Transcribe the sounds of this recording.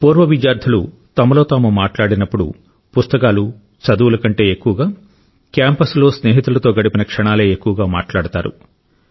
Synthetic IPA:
puːɾʋɐʋid͡ʒjaːɾd̪ʰʱɐlu | t̪ɐmɐlo̞ːt̪aːmumaːʈlaːɽinɐpːuɽṵ | pust̪ɐkaːlu | t͡ʃɐd̪uʋulɐkɐɳʈe̞ːekːuʋɐɡaː | kjaːmpɐslo̞ːsne̞ːɦit̪ulɐt̪o̞ːɡɐɽipinɐkʂɐɳaːleːekːuʋɐɡaːma̰ːʈlaːɽut̪aːɾṵ

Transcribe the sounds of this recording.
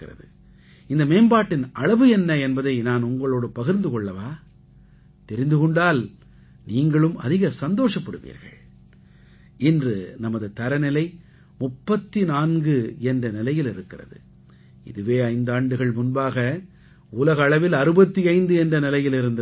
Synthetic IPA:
ɾɐ̰ðɯ | ɪnd̪ɐmeːnbaːʈːɪnʔɐɭɐʋɯɛnːɐɛnbɐðɐɪnaːnʊŋɡɐɭoːɽɯpɐɣɪɾnd̪ɯkɔɭːɐʋaː | t̪ɛɾɪnd̪ɯkɔɳɖaːl | niːŋɡɐɭɯmɐ̰ðɪɣɐsɐnd̪oːʂɐpːɐɽɯ̰ʋḭːɾɣɐ̰ɭ | ɪndrɯnɐmɐðɯt̪ɐɾɐnɪlɐɪ | mʊpːɐt̪ːinaːnɡɯɛndrɐnɪlɐjɪlɪɾɯkːɪrɐ̰ðɯ̰ | ɪ̰ðɯʋeːɐɪnd̪aːɳɖɯɣɐɭmʊnbaːɣɐ | uːlɐɣɐːɭɐʋɪlɐɾɯbɐt̪ːiɐɪnd̪ɯɛndrɐnɪlɐjɪlɪɾɯnd̪ɐ

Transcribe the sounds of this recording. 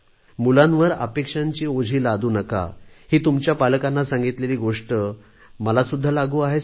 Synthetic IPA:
mulãnʋəɾə̰pekʂaɲt͡ɕiːod͡ʑʱiːlad̪ʱuːnəka̰hiːt̪umt͡ɕjapalkanːasãŋɡit̪leliːɡoʂʈə | məlasud̪ʱːalaɡuːaɦe

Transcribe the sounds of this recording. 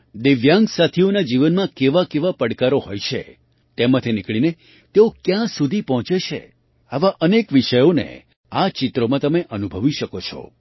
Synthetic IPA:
d̪iʋjãŋɡsat̪ʰionad͡ʒiʋənmãkeʋakeʋapəɽkaɾoɦojt͡ʃʰḛ | t̪emat̪ʰinikɭine | t̪eokjãsud̪ʱipɔɦɔ̃t͡ʃet͡ʃʰḛ | aʋaʔənekʋiʃəjonḛ | at͡ʃɪt̪ɾomãt̪əmeʔənubʱəʋiʃəkot͡ʃʰɔ̰

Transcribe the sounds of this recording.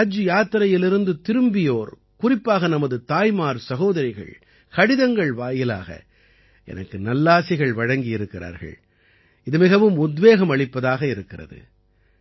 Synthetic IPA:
d͡ʒɯjaːt̪ɾɐjɪlɪɾɯnd̪ɯt̪ɪɾɯmbɪjoːɾ | kʊrɪpːaːɣɐnɐmɐðɯt̪aːjmaːɾsɐɣoːðɐɾɐɪɣɐ̰ɭ | kɐɽɪðɐŋɡɐɭʋaːjɪla̰ːɣɐ̰ | ʔɛ̰nɐkːɯnɐlːaːsɪɣɐɭʋɐɻɐŋɡɪjɪɾɯkːɪra̰ːɾɣɐ̰ɭ | ɪðɯmɪɣɐʋɯmʊd̪ʋeːɣɐmɐɭɪpːɐðaːɣɐɪɾɯkːɪrɐ̰ðɯ̰

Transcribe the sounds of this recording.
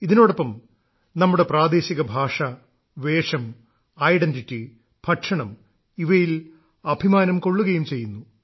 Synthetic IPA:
iðino̞ːɽɐpːɐm | nɐmːuɽe̞praːd̪e̞ːɕiɣɐbʱaːʂɐ | ʋe̞ːʂɐm | ɐjɖenditːi | b̥ʱɐʈʂɐɳɐm | iʋɐjil | ɐbʱimaːnɐmko̞ɭːuɣɐjumt͡ɕe̞jːunːu

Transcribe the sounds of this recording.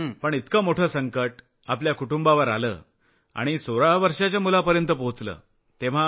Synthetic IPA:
pəɳit̪kəːmoʈʰəːsəŋkəʈ | apljakuʈumbaʋəɾa̰lə̰ː | a̰ɽ̃isoɾaʋəɾʂat͡ɕjamulapəɾjənt̪əpot͡slə̰ː | t̪eʋ̤a

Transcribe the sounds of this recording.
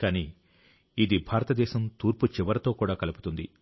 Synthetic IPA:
kaːniː | id̪ibʱaːɾɐt̪ɐd̪ɛːʃɐmt̪uːɾput͡ʃiʋɐɾɐt̪o̞ːkuːɽaːkɐluput̪und̪i

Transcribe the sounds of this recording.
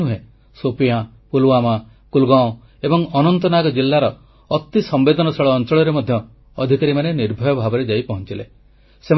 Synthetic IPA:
uɦe | sopija | puluwama | kulɡãõ | ebɔŋɔnɔnt̪ɔnaɡɔd͡ʒilːaɾɔ | ɔt̪isɔmbed̪ɔnɔsɔɭɔːnt͡ʃɔɭɔɾemɔd̪ʱjɔː | d̪ʱikaɾimaneniɾbʱɔjɔbʱabɔɾed͡ʒajpɔɦɔnt͡ʃile | sem

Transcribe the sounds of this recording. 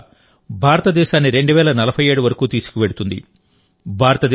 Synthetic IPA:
bʱaːɾɐt̪ɐd̪ɛːʃaːnːiɾe̞ɳɖuʋɛːlɐnɐlɐbʱɐjeːɽuʋɐɾɐkuːt̪iːsu̥kuʋe̞ɽut̪und̪ḭ | bʱaːɾɐt̪ɐd̪

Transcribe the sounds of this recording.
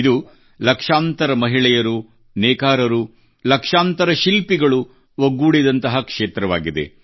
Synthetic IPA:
d̪u | lɐkʂaːnt̪ɐɾɐmɐɦiɭɛjɐɾu | nɛːkaːɾɐɾu | lɐkʂaːnt̪ɐɾɐʃilpiɡɐɭu | ʋɐɡuːɽid̪ɐnt̪ɐɦɐkʂeːt̪ɾɐʋaːɡid̪ḛ

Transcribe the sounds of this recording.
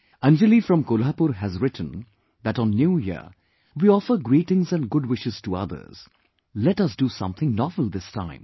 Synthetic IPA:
æ̃nd͡ʒəlifɾʌ̃mkolapuɾɦæzɹɪʈn̩ | ðæʈn̩ːjuːjɪ̰ | wiɔfə˞ɡɾiːʈɪ̃ŋzæ̃nɡʊɖwɪʃɨz̥tuʌ̰ðə̰˞z̥ | lɛʈʌsd̥usʌ̰̃mθɪ̃ŋnɔvəl̩ˠd̪ɪstʰã̰ɪ̃m

